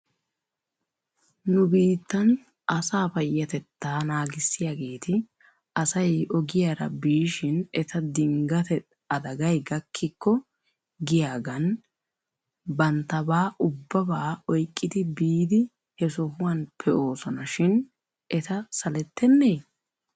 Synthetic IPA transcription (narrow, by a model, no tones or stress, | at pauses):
nʊbiːt̪ːɐn | ʔɐsaːpɐjːɐt̪ɛt̪ːaːnaːɡɪsːɪjaɡe̞ːt̪ɪ | ʔɐsɐjɔɡɪjaɾɐ̰biːʃɪnɛt̪ʰɐd̪ɪŋɡɐt̪ɛ | ɐd̪ɐɡɐjɡɐkʰːɪkːɔ | ɡɪjaːɡɐn | bɐnt̪ːɐbaːʔʊbːɐbaːɔjkʼːɪd̪ɪbiːd̪ɪ | hɛsɔhʊwɐnpʰɛʔo̞ːsɔnɐʃɪn | ʔɛt̪ɐsɐlɛt̪ːɛnːej